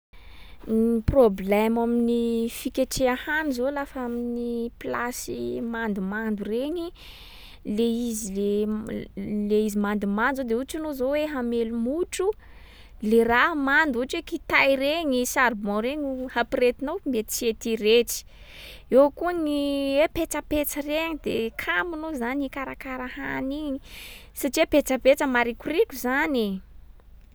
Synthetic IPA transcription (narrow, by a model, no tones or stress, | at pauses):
problɛmaminifikʲaʈ͡ʂeahanizolafaminiplasimand̪umand̪ureɲi | leizile | leizimand̪umanuzod̪euʈ͡ʂanozoweɦamelumuʈ͡ʂu | leramand̪uʈ͡ʂwekit̪ajɾeɲisaɾbɔ̃ɾeɲhapiɾet̪inowmet̪i̥set̪iɾeʈ͡ʂi̥ | ewkuəŋiwepet͡səpet͡səreɲid̪ekʰamunozanikaɾakaɾahaniɲi | saʈ͡ʂiepet͡səpet͡səmaɾikurikuzane